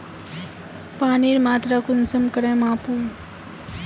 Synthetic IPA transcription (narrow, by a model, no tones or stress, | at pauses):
paːniɾmat̪ɾakʊnsəmkəɾemaːpũ